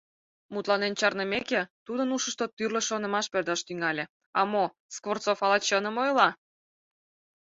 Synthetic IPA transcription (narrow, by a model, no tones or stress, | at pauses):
mut̪lɑnent͡ɕɑrnəmeket̪ud̪ənuʃəʃt̪ot̪yrlʲeʃonə̆mɑʃpørd̪ɑʃt̪yŋɑlʲe | ɑmo | skvort̪t͡sofɑlɑt͡ɕənəmojlɑ